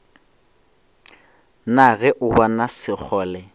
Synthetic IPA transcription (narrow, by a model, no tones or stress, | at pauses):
naɣɛʔʊbanasɪk͡xʰɔːlɛ